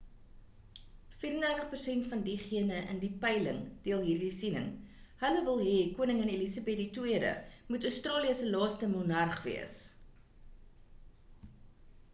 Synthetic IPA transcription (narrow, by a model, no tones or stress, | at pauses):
fiːɾəndæːrtəχpərsɛntfɐndiχiənəʔə̰ndipɛjlə̰ŋd̥iəlˠɦiːrdisinə̰ŋ | hələvəlˠɦɛkuənəŋənelisɑbɛditwiədə̰mutœɥstrɑːliəsəlɑːstəmunɐrχvḭəs